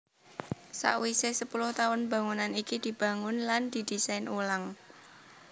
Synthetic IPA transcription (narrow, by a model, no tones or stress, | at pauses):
sa̰ʔwisesəpulʊht̪aʊnba̤ŋunanikid̪̥i̤b̥ä̤ŋʊnland̪̥i̤d̪̥i̤sajnulaŋ